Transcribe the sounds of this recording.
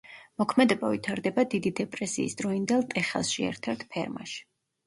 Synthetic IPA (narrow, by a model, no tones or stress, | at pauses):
mɔkʰmɛd̪ɛbavit̪ʰaɾd̪ɛbad̪id̪id̪ɛpʼɾɛsiːsd̪ɾɔind̪ɛlˠt̪ʼɛχɛ̰lˠʃiɛ̰ɾt̪ʰaɾt̪ʰpʰɛɾma̰ʃi̥